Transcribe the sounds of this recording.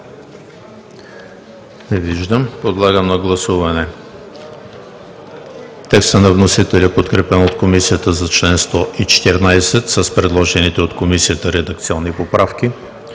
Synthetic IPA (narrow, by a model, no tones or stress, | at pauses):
nɛviʒd̪əmpod̪lˠaɡəmnɐɡlˠɐsuvɐnɛ | t̪ɛkst̪ənɐvnosit̪ɛlʲipot̪kɾɛpɛnot̪komisiət̪əzɐt͡ʃlɛnst̪ɔʔit͡ʃɛ̥t̪ɛɾnajsɛt̪səspɾɛd̪lˠɔʒɛnit̪ɛot̪komisiət̪əɾɛd̪ɐk̚t̪siɔnːipopɾafk̟i